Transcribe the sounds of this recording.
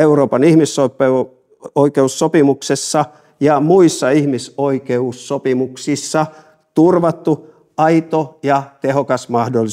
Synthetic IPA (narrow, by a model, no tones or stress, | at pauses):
euroːpɑnihmisːope | oikeusːopimuksesːɑ | jɑmuisːɑihmisoikeusːopimuksisːɑ | t̪urʋɑt̪ːu | ɑit̪ojɑt̪ehokɑsmɑhdolːˑi